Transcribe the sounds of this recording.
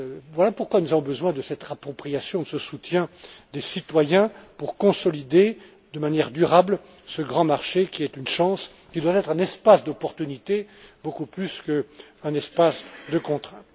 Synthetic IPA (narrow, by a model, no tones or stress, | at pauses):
vwalapuʁkwanuzavɔ̃bəzwɛ̃d̪əsɛt̪apχɔpχijasjɔ̃d̪əsəsut̪jɛ̃d̪esit̪wajɛ̃puʁkɔ̃sɔlid̪e | d̪əmanjɛʁd̪yʁabl | səɡʁɑ̃maʁʃekʲiɛt̪ynʃɑ̃s | kʲid̪wat̪ɛt̪χɛ̃nɛspasd̪ɔpɔʁt̪ynit̪ebokuplyskəɛ̃nɛspasd̪əkɔ̃t̪χɛ̃t̪